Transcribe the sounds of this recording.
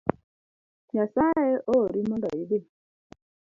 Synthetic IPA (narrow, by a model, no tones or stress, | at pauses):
jasaeoɾimondɔide